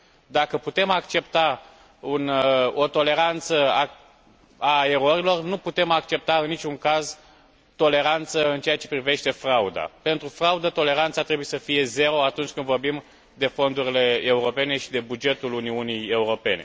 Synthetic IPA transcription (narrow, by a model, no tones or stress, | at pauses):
d̪akəput̪e̞makt͡ʃe̞p̚t̪a | uno̞t̪o̞le̞ɾant̪səa | ae̞ɾo̞ɾilo̞rnuput̪e̞makt͡ʃe̞p̚t̪aɨnːit͡ʃʲuŋkaz | t̪o̞le̞ɾant̪səɨnt͡ʃeat͡ʃe̞pɾive̞ʃt̪e̞fɾaud̪a̰pe̞nt̪ɾufɾaud̪ət̪o̞le̞ɾant̪sat̪ɾe̞bujesəfije̞ze̞ɾo̞at̪unt͡ʃʲkɨnd̪vo̞rbim | d̪e̞fo̞nd̪uɾile̞euɾo̞pe̞ne̞ʃid̪e̞bud͡ʒe̞t̪uluniunije̞uɾo̞pe̞ne̞̰